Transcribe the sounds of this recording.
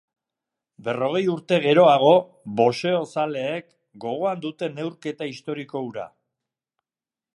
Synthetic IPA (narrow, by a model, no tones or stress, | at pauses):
be̞ro̞ɣ̞e̞juɾt̪e̞ɣe̞ɾo̞aɣ̞o̞ | βo̞se̞o̞sale̞ːk | ɡo̞ɣ̞o̞and̪ut̪e̞ne̞wɾke̞t̪aist̪o̞ɾiko̞uɾa̰